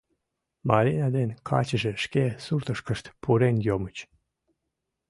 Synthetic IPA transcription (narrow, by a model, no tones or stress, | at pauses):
mɑɾʲinʲɑd̪enkʰɑ̰t͡ɕəʒeʃkesurt̪əʃkəʃt̪pʰuɾenjomət͡ɕ